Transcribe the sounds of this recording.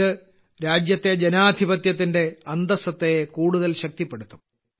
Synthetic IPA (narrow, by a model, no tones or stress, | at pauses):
ɨ | ɾaːd͡ʑjɐt̪ːe̞d͡ʑenaːd̪ʱibɐt̪jɐt̪̬ːinde̞ɐnd̪ɐsɐt̪ːekuːɽuðɐlɕɐk̚t̪ipːe̞ɽut̪ːu